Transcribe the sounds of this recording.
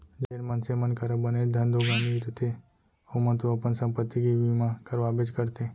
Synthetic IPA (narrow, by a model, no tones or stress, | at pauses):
d͡ʒəelmənsemənkaɾabəned͡ʒd̪ʱə̃nd̪ʱoɡamit̪ʰət̪ʰe | omə̃nt̪uəpənsə̃mpət̪ːiɡiʋimãkəɾʋabed͡ʒkəɾt̪e